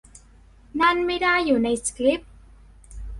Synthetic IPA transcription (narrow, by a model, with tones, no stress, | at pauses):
na˥˩nma˥˩jda˥˩jːuː˨˩na˧jskli˦˥p̚